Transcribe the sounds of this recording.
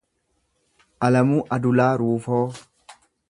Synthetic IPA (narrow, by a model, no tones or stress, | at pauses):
ʔɐlɐmuːʔɐd̪ʊlaːɾuːfoː